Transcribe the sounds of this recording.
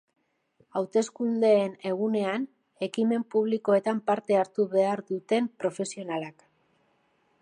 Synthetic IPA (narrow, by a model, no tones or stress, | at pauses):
awt̪e̞skund̪e̞ːne̞ɣ̞une̞an | e̞kime̞mpuβ̞liko̞e̞t̪ampaɾt̪e̞aɾt̪uβe̞aɾðut̪e̞mpɾo̞fe̞sio̞nalak